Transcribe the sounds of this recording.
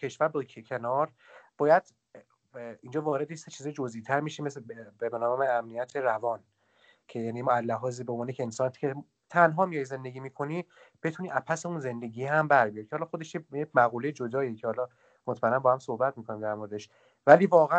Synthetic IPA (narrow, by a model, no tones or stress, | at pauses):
cʰe̞ʃvæɾbɒecʰe̞nɒːɾ | b̥ɒːjæd̪̥ | ind͡ʒɒːvɒːɾed̪ejeset͡ʃʰiːzɒːjd͡ʒozʔit̪ʰæɾmiʃemesbebenɒːmeæmnijæt̪ʰeɾævɒːn | cʰe̞jæːnimɔæzːæɦɒːzibeonvːnejecʰeensɒnt̪i̥cʰe | t̪ʰænɦɒːmijɒjze̞nd̪e̞ɡʲiːmiːkʰo̞niːb̥e̞t̪ʰuniːʔæpʰæseunze̞nd̪e̞ɟiːɦæmbæɾbijɒɾi̥cʰehɒːlɒxod̪eʃjejecmæɣuːlejed͡ʒo̞d̪ɒːjecʰehɒːlɒ | mot̪ʰmæenːæmbɒːhæmsohbæt̪̚miːkʰo̞nimd̪æɾmo̞ɾed̪eʃ | væliːvɒːɣeæ